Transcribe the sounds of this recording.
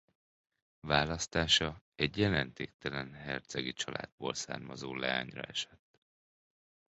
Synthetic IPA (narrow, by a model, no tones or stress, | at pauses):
vaːlɒst̪aːʃɒɛɟjɛlɛnt̪eːk̚t̪ɛlɛnɦɛrt̪sɛɡit͡ʃɒlʔa̰ːd̪̚boːlsa̰ːrmɒzoːlɛaːɲrɒ̰ɛʃɛt̪ː